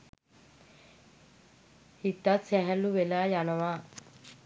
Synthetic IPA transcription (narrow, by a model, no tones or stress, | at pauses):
hit̪ːat̪sɛɦɛlːuʋelaːjanəʋaː